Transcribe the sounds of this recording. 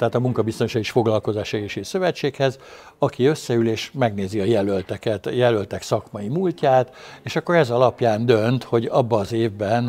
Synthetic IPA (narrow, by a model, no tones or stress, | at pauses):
t̪ɛɦaːt̪ɒmuŋkɒbist̪o̞nʃɒiʃfo̞ɡlɒlko̞zaːʃɛɡeːʃesø̞vɛt͡ʃːeːkhɛz | ɒkiø̞sːɛyleːʃmɛɡneːziɒjɛlølt̪ɛkɛt̪jɛlølt̪ɛksɒkmɒjimulcaːt̪eːʃɒkːo̞ɾɛzɒlɒpjaːnd̪ø̞nt̪ho̞ɟɒbːɒːzeːvbɛn